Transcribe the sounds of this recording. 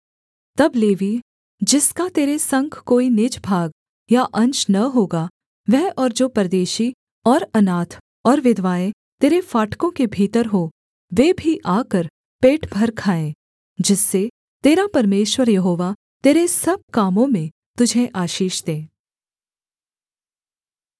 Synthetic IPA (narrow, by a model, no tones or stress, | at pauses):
t̪ɐbleːʋi | d͡ʒɪskat̪eːɾesɐ̃ŋkʰkoːinɪd͡ʒbʱaːɡ | jaʔɐ̃ɲt͡ʃnɐɦoːɡa | ʋɛɦɔːɾd͡ʒoːpɾɐd̪eːʃi | ɔːɾɐnaːt̪ʰ | ɔːɾʋɪd̪ʱʋaːẽ | t̪eːɾefaːʈkõkebʱiːt̪əɾɦoː | ʋeːbʱiʔaːkəɾ | peːʈʰbʱɐɾkʰaːẽː | d͡ʒɪsːe | t̪eːɾapɐɾmeːʃwəɾjɐɦoːʋa | t̪eːɾesɐb̚kaːmõmẽ | t̪ʊd͡ʒʱẽʔaːʃiːʃd̪ẽː